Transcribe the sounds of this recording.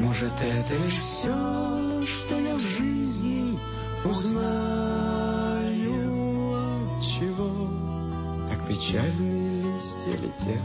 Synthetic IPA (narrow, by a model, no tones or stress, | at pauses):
moʐɨt̪əɛt̪əlʲɪʂfsʲo | ʂt̪ojavʐɨzʲnʲɪ | ʊzna | jʊ | t͡ɕɪvo | ɐk̚pʲɪt͡ɕalʲnɨjəlʲisʲtʲɪ̰lʲɪ̰tʲʰe